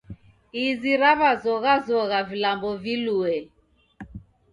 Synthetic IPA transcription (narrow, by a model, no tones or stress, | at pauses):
iziɾaβazɔɣazɔɣavilambɔviluɛ